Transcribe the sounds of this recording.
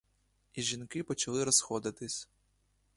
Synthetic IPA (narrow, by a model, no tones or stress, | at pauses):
iʒʲinkɪpɔt͡ʃɐlˠɪɾɔsxɔd̪ɪt̪ɪsʲ